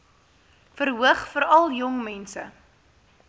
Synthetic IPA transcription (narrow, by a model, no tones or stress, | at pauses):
fəɾɦuəχfəɾɐlˠjɔŋmɛnsə